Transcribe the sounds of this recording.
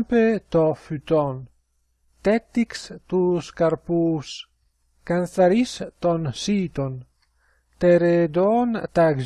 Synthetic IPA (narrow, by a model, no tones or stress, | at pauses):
mpet̪ɔfyt̪ɔn | t̪ɛt̪ːikst̪uːskaɾpuːs | kanθaɾist̪ɔnsiːt̪on | t̪eɾed̪ɔnt̪aɡz